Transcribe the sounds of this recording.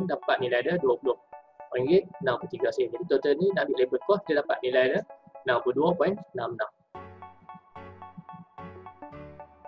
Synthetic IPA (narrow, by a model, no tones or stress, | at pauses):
ndapat̪̚nĩlajdəduapulʊh | pɔiŋɡet̪̚nawkut̪iɡasind͡ʒadit̪ot̪ənĩnabɪʔlebət̪̚kɔkidədapa̰ʔ̪̚nilajdənawkuduapɔinnamnam